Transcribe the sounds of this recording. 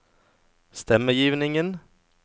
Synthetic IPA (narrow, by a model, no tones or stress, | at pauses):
st̪ɛmːəjiːʋnɪŋən